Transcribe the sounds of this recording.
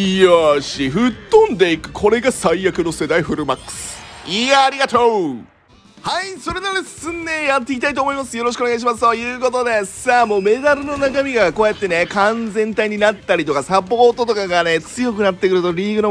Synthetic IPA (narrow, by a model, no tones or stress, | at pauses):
iaɕiɸɯ̟t̪ːõ̞nd̪e̞ikɯ̟̥kʰo̞ɾe̞ɡasaijakɯ̟no̞se̞d̪aiɸɯ̟ɾɯmakːɯ̥sɨ̥iaːɾʲiɡat̪o | haiso̞ɾe̞d̪onesɨnːejat̪ːe̞ik̬ʲit̪ait̪oːmo̞imasɨjo̞ɾoɕ̬ikɯoeɡaiɕ̬imasɨ̥t̪ojɯ̟ːko̞t̪o̞d̪e̞samo̞ːme̞d̪aɾɯ̟no̞nakamʲiɡako̞ːjat̪ːe̞ne̞kãnd͡zẽ̞nt̪aiɲ̟inat̪ːaɾʲit̪o̞kasapo̞o̞ːt̪o̞t̪o̞kaɡane̞t͡sɨjo̞kɯnat̪ːe̞kɯ̟ɾɯ̟t̪o̞ɾʲiːɡɯ̟no